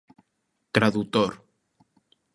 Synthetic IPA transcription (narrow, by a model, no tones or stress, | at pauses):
t̪ɾaðut̪oɾ